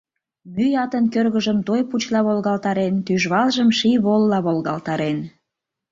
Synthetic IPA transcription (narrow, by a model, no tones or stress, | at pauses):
myjɑt̪ənkørɣəʒəmt̪ojput͡ɕlɑβolɣɑlt̪ɑɾent̪yʒβɑlʒəmʃiβolːɑβolɣɑlt̪ɑɾen